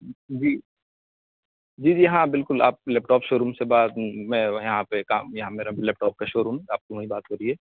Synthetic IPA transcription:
d͡ʒiː | d͡ʒiːd͡ʒiːjɦãbɪlkʊlaːp̚lɛːp̚ʈɔːpʃoːɾuːmsebaːd̪mɛ̃ːjɐɦãpekaːmjɐɦãmeːɾalɛːp̚ʈɔːp̚kaʃoːɾũmaːp̚kumĩbaːt̪ɦoɾiɛː

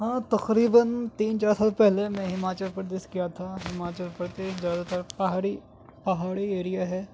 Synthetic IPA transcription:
ɦãːt̪ɐqɾiːbənt̪iːnt͡ʃaːɾsaːlpɛɦlemɛ̃ɦɪmaːt͡ʃəlpɾd̪eːʃkijat̪ʰaɦɪmaːt͡ʃəlpɾəd̪eːʃzjaːd̪at̪əɾpɐɦaːɽi | pɐɦaːɽieːɾijaɦɛː

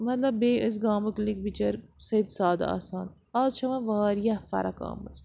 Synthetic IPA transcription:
mɐt̪lɐbːeːʔəs̬ɡaːmɐklikbit͡ʃɐɾsɐjid̪saːd̪aa̰ːsaːn | aːzt͡ʃʰɐʋɐ̃ʋaːɾjɐfɐ̰ɾɐka̰ːmɐt͡s

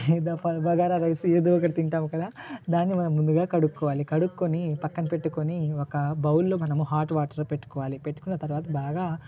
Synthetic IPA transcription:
d̪pɐbɐɡaːɾaɾɐjsueːd̪uːɔkːɐɽɐt̪iɳʈaːmukɐd̪aːd̪aːnːimɐnɐmːund̪uɡaːkɐɽukːɔːʋaːlikɐɽukːonipɐkːɐnɐpe̞ʈːukoniɔkɐbɐwulːo̞ːmɐnɐmuɦaːɾʈʋaːʈɐɾlope̞ʈːu̥kɔːʋaːlipeʈːu̥kunːɐt̪ɐɾʋaːt̪ɐbaːɡaː

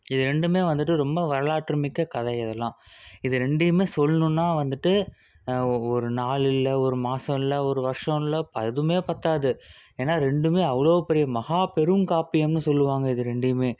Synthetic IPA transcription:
ɪðɯɾɛɳɖɯmeːʋɐnd̪ɯʈːɯɾɔmbɐʋɐɾɐɭaːʈːɾɯmɪkːɐkɐðɐɪðɛlːãːɪðɯɾɛɳɖɪjɯmeːsɔlːnɯ̃nːaːʋɐnd̪ɯʈːɯ | ɔɾɯnaːɭɪlːɐɔɾɯmaːsɐ̃ɪlːɐɔɾɯʋɐɾʂɐ̃ɪlɐpɐðɯmeːpɐɾt̪aːðɯ | eːnːaːɾɛɳɖɯmeːɐʋɐɭoːɐpːɛɾɪjɐmɐɣaːpɛɾɯmkaːpɪjɐmnɯsɔlːɯʋaːŋɡɐɪðɯɾɛɳɖɪjɯmeː

